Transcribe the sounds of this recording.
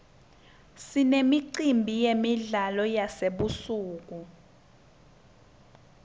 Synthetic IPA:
sinemiǀimbʱijemiɮalɔjaseɓusuːk̬u

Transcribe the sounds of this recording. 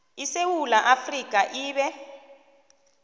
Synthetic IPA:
isewulaʔafrik̬ʼaʔiːɓɛ

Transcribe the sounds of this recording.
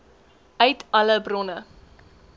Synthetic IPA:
œɥtɐləbrɔnə

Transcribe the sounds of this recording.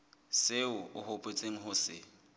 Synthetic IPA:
seʊʊhʊpʼet͡sʼeŋ̩ɦʊsɪ̰

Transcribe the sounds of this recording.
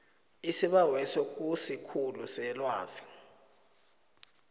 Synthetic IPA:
isiɓawɛsok̬ʼusikʰulusɛlwaːzi̥

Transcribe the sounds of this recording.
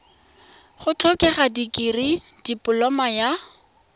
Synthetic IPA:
χʊt͡ɬɔkʼɛχadikʼiri | d̥ipʼʊlɔmaja

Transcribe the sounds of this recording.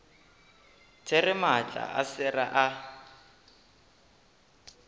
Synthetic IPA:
t͡sʰerɪmat͡ɬʼa̰ʔa̰sɪra̰ʔa

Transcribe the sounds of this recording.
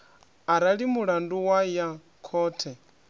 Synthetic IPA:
aɾaɺimuɺanduwaja | kʰɔːtʰɛ

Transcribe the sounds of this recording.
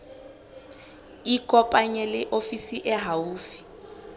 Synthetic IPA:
ikʼɔpʼaɲɛlɪʔofisiʔɛɦauːfi̥

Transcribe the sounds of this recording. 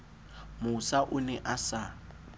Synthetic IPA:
mʊsaʔʊnɛʔasa

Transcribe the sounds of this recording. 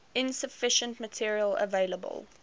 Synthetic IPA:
ɪ̃nsəfɪʃə̃ntmətʰiəɹiələ̰veɪləbə̰lˠ

